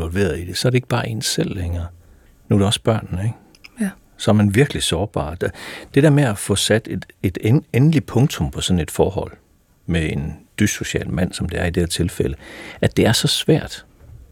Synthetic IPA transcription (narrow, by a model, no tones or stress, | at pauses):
ʋɒlʋe̝̰ːɐð̩ˠid̥e̝sɒɐɾe̝eɡ̥b̥ɑ̈ːʔe̝̰ːnsel̰leŋɐ | nuɾ̥eɒ̽sb̥ɶɐ̰nnəeɡ̥ | sɒ̽ɐmænʋiɐɡ̥əlisɒːb̥ɑ̰̈ːd̥d̥e̝d̥e̝ɐmeæfɔ̽sæd̥ed̥e̝d̥eenəlipʰɔ̽ŋt͡sʰo̽mpʰɒ̽sɒ̽n̩e̝d̥fɒːɦɒ̽l̰ | meend̥yso̝ɕɛ̰ːlmæn̰sɒ̽md̥e̝æɐid̥e̝hḛɐt͡sʰe̝lfel̰əʔæd̥e̝æɐsɒ̽sʋæ̰ɐ̰d̥